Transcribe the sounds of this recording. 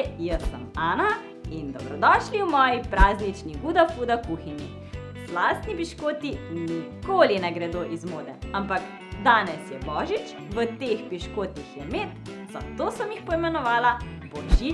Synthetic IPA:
jəsːə̰maːna | ind̪ɔbɾɔd̪ɔːʃliwmɔːjipɾaːznit͡ʃniɡuːd̪afuːd̪akuːxinjḭ | zlaːst̪nipiʃkoːt̪inikoːlinɛɡɾɛd̪oːʔizmoːd̪ɛampak | d̪aːnɛsjɛbɔːʒit͡ʃ | ʋət̪expiʃkoːt̪ixjɛmeːt̪ | z̥a̰t̪oːsəmjixpɔimɛnɔʋaːla | bɔʒi

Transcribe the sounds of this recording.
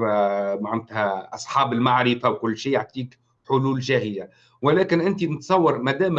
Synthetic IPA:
maʕnt̪hæʔɑsˤħɑːbɪlmaʕɾɪfawkʊlːʃiːjaʕt̪ˤiːk | ħʊluːlʒæːhɪja | wɪlæːkɪnʔɪnt̪inət̪sˤɑwːɑɾˤmæd̪æːm

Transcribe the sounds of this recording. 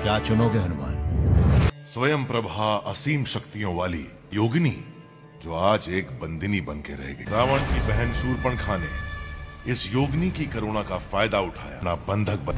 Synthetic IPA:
kjaːt͡ʃʊnoːɡeɦɐnʊma̰ːn | sʋɐjəmpɾɐbʱaɐsiːmʃɐkt̪ijõʋaːlḭ | joːɡni | d͡ʒoːaːd͡ʒeːkbɐ̃nd̪ʱɪnibɐnkeɾɐ̰ɦḛɡɐɾaːʋəɳ̃kibɛɦɛnʃuːɾpəɽ̃kʰaːne | ɪsjoːɡnikikɐɾoːɽ̃akafaːjd̪aʊʈʰa̰ːja̰nabɐ̃nd̪ʱək̚bɐ

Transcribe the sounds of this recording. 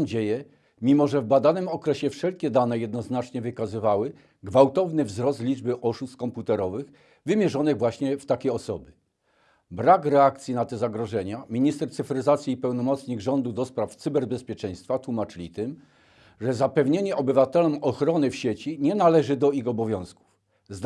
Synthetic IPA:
d͡ʑejɛ | mʲimɔʐɛvbad̪anɘmɔkɾɛɕɛfʂɛlkʲɛd̪anɛjɛd̪nɔznat͡ʂɲɛvɘkazɘvawɘ | ɡvawt̪ɔvnɘvzɾɔst̪lʲid͡ʐbɘʔɔʂust̪̚kɔmput̪ɛɾɔvɘx | vɘmʲjɛʐɔnɘɣvwaɕɲɛft̪akʲejɔsɔbɘ | bɾakɾɛak̚t̪sʲjinat̪ɛzaɡɾɔʐɛɲamʲiɲist̪ɛɾt̪sɘfɾɘzat̪sʲjiːpɛwnɔmɔt̪sɲiɣʐɔnd̪ud̪ɔspɾaft̪sɘbɛɾbɛspʲjɛt͡ʂɛ̃j̃st̪fat̪wumat͡ʂɘlʲit̪ɘm | ʐɛzapɛvɲeɲɛʔɔbɘvat̪ɛlɔmɔxɾɔnɘfɕet͡ɕiɲɛnalɛʐɘd̪ɔixɔbɔvʲjɔ̃w̃sku̥f | z

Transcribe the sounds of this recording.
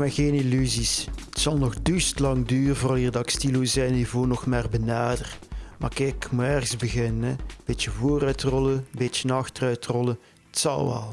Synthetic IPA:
mɛɣeːnilyzisətsɑlˠnɔɣdystlɑŋdyːrəvorɑlˠiːrdɑkstilozɛjnivoːnɔxmaːrbənaːdərma̰rkɛkmuɛrɣəzbəɣɪnənɛb̥ɪtjəvoːɾœɥtrɔləbett͡ʃənɑxtərœɥtrɔlə | ətsɑ̰lɑ̰lˠ

